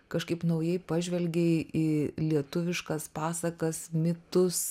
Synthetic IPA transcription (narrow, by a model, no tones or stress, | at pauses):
kɐʃkɐɪpnɐʊjɛɪpɑːʒʲʋʲɛlʲɡʲɛʔilʲiɛt̪ʊʋʲɪʃkɐspɑːsɐkɐsmʲɪt̪ʊs